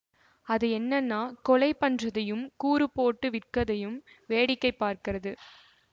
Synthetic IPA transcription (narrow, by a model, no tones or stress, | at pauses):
ɐðɯɛnːɐnːaːkɔlɐɪpːɐndrɐðɐjɯmkuːɾɯpːoːʈːɯʋɪrkɐðɐjɯm | ʋeːɽɪkːɐɪpːaːɾkɪrɐðɯ